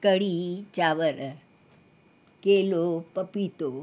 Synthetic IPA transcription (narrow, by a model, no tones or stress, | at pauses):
kəɽit͡ʃaʋəɾə | kelopəpit̪o